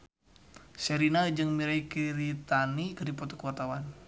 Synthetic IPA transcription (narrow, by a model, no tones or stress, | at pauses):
sɛɾinad͡ʒɨŋmiɾaikiɾit̪anikərdipɔt̪ɔ̥kəwart̪awan